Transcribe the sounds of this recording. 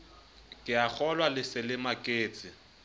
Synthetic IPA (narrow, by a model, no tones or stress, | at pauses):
kʼɪak͡xʰɔlwalɪsɪlɪmakʼeːt͡sʼɪ